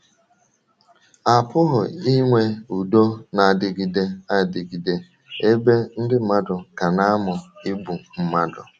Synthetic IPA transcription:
a˨pʊ˦ɦʊ˨i˦ŋʷe˦u˨do˦na˨dɪ˨ɡi˨de˦a˦˨dɪ˨ɡi˨de˦ | e˦be˦n̩˦dɪ˦m̩˦ma˦dʊ˨ka˨na˦mʊ˨i˦bu˨m̩˦ma˦dʊ˨

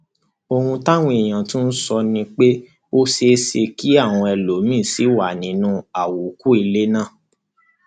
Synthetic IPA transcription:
o˧hũ˧ta˦w̃ĩ˧e˨j̃ã˨tũ˦n̩˦sɔ˧nĩ˧k͡pe˦ | o˦ʃe˧˦ʃe˧ki˦a˦˨w̃ɔ̃˧ɛ˧lo˨˦mĩ˦˨si˨˦wa˦˨nĩ˦nũ˦a˦˨wu˨˦ku˦i˧le˦nã˦˨

